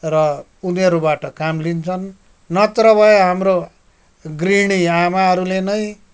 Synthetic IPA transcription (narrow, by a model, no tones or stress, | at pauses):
rʌ | unʌɾubaʈʌkamlint͡sʰʌnː | ʌt̪ɾʌbʱʌeɦamro | ɡriɽ̃iamaɦʌɾulenʌj